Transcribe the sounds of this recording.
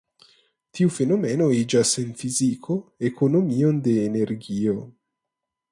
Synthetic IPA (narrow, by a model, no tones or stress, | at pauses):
t̪iufenomɛnoid͡ʒaseɱfiziːkʰoekʰonomiːond̪eːnerɡiːo